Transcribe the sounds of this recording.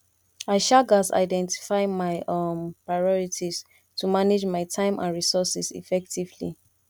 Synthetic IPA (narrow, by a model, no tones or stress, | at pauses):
aɪʃaɡasa̰ɪdɛ̃nti̥faɪmaɪpɹaɪɔɹitʰis | tʰumaned͡ʒmaɪtʰãɪ̃mʔã̰nɹisɔsisḭfɛktivlḭ